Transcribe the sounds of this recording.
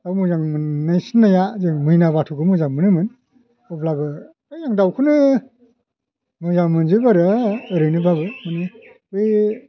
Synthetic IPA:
awmɯzaŋmɯnːajsinːajazɯŋmɯjnaβatʰuɡɯmɯzaŋmɯnɯmɯn | ɔblabɯ | ɯjzaŋdawkʰɯnɯ | mɯzaŋmɯnzɯbaɾɯɯɾɯnɯbabɯmɯnɯ | bɯj

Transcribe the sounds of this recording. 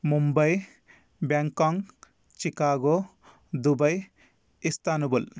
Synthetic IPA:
mumbɐj | baŋkaŋ | t͡ʃikaːɡo | d̪ubɐj | ist̪aːnubul

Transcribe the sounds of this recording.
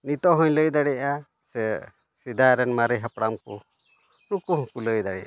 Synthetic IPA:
nit̪ɔɦɔɲləjd̪aɽɛʔa | sɛ | sid̪aɾɛnmaɾɛɦapɽamkɔ̰ | ɾukuɦɔ̃kuləjd̪aɽɛ̰ʔa

